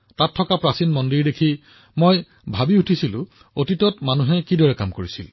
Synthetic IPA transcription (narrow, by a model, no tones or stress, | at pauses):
tatʰːɔkapɹasinmɔndiɹdekʰi | moj | bʱabiutʰisilʊ̰̃ | otitɔtmanuɦɛkidɔɹɛkamkoɹisḭl